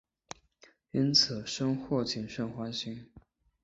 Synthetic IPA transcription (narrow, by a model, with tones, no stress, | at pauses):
i˥nt͡s̩ʰ˨˩ʂɤ˥ŋxwɔ˥˩t͡ɕʰi˨˩nʂə˥˩nxwa˥nɕi˥ŋ